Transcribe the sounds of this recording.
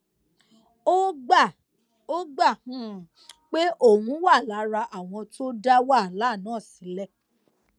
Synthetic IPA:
o˦ɡ͡ba˦˨ | o˦ɡ͡ba˦˨hũ˦˨ | k͡pe˦ʔo˦˨wũ˨˦wa˦˨la˨˦ɾa˧ʔa˨w̃ɔ̃˧to˦da˦wa˦˨la˨˦˨nãː˦˨si˨˦lɛ˦˨

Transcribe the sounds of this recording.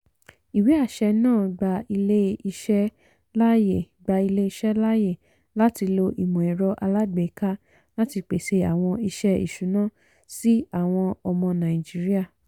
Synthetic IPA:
i˨wi˨˦a˦˨ʃɛ˧nãː˦˨ɡ͡ba˧i˧le˦i˧ʃɛ˦ | la˦je˨ | ɡ͡ba˧i˧le˦i˧ʃɛ˦la˦je˦˨ | la˦ti˧lo˧ʔi˨mɔ̃˨i˨ɾɔ˧ʔa˧la˦ɡ͡be˨˦˨ka˦ | la˦ti˧k͡pe˨ʃe˧a˨w̃ɔ̃˧i˧ʃɛ˦ḭ˨ʃu˨˦nãː˦ | si˦a˦˨w̃ɔ̃˧ɔ˧mɔ̃˧nã˨i˨d͡ʒi˨˦ɾi˦a˦˨

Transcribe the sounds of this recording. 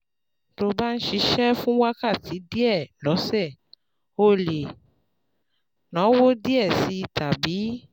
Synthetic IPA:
to˧ba˦n̩˦ʃi˨˧˦ʃɛ˦fũ˦wa˦ka˦˨ti˨˦di˦ɛ˦˨lɔ˨˦sɛ˦˨ | o˦le˨ | nã˨˦wo˦di˦ɛ˦˨si˨˦ta˨bi˨˦

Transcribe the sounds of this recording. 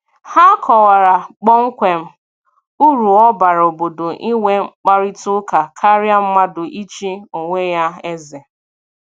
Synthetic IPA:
ha˦kʰɔ˨wa˨ɾa˨k͡pɔ˦ŋ̩˦kʷe˨m̩˦ | u˦ɾu˨ɔ˦ba˨ɾo˨bo˨do˨ʔi˦ŋʷe˦k͡pa˦ɾi˦tʊ˦ka˨kʰa˦ɾja˦m̩˦ma˦dʊ˨ʔi˦t͡ʃi˦o˨ŋʷe˦ja˦e˦ze˨

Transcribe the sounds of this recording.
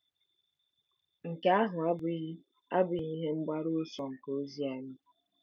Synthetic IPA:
ŋ̩˨ka˦a˦ɦʊ˨a˦bi˦ɣi˦ | a˦bi˦ɣi˦ɦe˦ŋ͡m̩˦ɡ͡ba˦ɾu˦sɔ˨ŋ̩˨ko˨o˦zja˨˦mi˦

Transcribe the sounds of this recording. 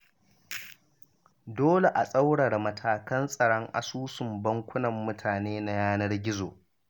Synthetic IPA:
doː˦le˨ʔa˨sʼa˦wɽɐ˨rmɐ˨tʰaː˨kɐ˦nsʼɐ˨ɽɔ˦ŋʔa̰˨suː˦sʊ˨mbɐ˦ŋkʷʊ˦nɐ˨mːʊ˦tʰaː˨neː˦na˦jaː˦nɐ˦rɡʲɪ˦zoː˨

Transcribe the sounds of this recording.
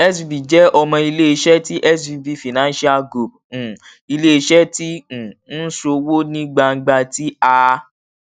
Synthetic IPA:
ɛ˦sbi˨d͡ʒɛ˦ɔ˧mɔ̃˧i˧le˦i˧ʃɛ˦ti˦ʔɛ˦sbi˨˧bi˨fi˨nã˨˦n˦ʃi˦a˦ɡɾu˨p̩̚˨ | i˧le˦i˧ʃɛ˦tĩ˦˨n̩˦so˧wo˦nĩ˦ɡ͡ba˧ŋ̩˦ɡ͡ba˧ti˦a˧

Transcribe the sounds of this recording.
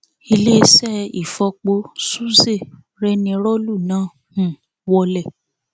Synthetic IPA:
i˧le˦˧sɛ˦˨i˨fɔ˧k͡po˧˦su˦ze˦˨ | ɾɛ˦nĩ˧ɾɔ˦lu˦˨nãː˨˦ | hũ˨ | wɔ˧lɛ˦˨

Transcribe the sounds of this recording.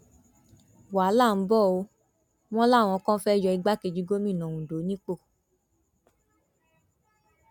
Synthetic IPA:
wa˨˦la˦˨m̩˨˦bɔ˦˨o˨˧˦ | w̃ɔ̃˦la˦˨w̃ɔ̃˧kɔ̃˦fɛ˦jɔ˧i˧ɡ͡ba˦ke˧d͡ʒi˨˧˦ɡo˦mĩ˦˨nɔ̃˨ũ˨do˨˦nĩ˦k͡po˦˨

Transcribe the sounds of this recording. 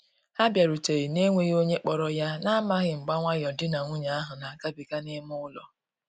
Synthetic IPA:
a˦bja˨ɾu˨te˨i˨ne˦ŋʷe˦ɣo˦ɲe˦k͡pɔ˨ɾɔ˦ja˦na˦a˦ma˦ɣɪ˨ŋ͡m̩˨ɡ͡ba˦ŋʷa˦jɔ˨dɪ˦na˨ŋʷu˦ɲa˨a˦ɦʊ˨na˨ka˦bi˨ka˦ne˦mʊ˦ʊ˦lɔ˨

